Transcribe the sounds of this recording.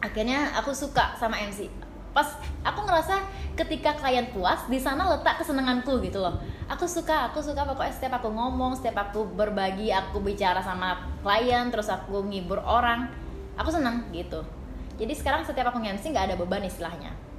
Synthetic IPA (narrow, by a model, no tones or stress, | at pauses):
ʔakirɲaa̰kusuka̰samaɛmsi | pasʔakuŋəɾasakət̪ikakəlajənt̪uasdisanalət̪aʔkəsənəŋankuɡit̪ulɔhʔakusukaːkusukapakuɛsət̪iapakuŋomɔŋsə̥t̪iapakubərbaɡiakubit͡ʃaɾasamaklajənt̪əɾʊsakuŋibʊroɾaŋ | ʔa̰kusənəŋɡit̪u | d͡ʒadisə̥kaɾaŋsət̪iapakuŋɛmsiŋɡaʔːdababanist̪ilahɲa̰